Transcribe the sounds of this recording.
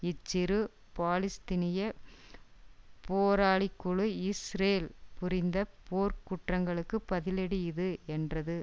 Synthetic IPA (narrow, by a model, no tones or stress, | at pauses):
ɪt͡ʃːɪɾɯ | paːlɪst̪ɪnɪjɐ | poːɾaːɭɪkːʊɭɯɪsɾeːlpʊɾɪnd̪ɐpoːɾkʊʈrɐŋɡɐɭɯkːɯpːɐðɪlɛɽɪjɪðɯɛndrɐðɯ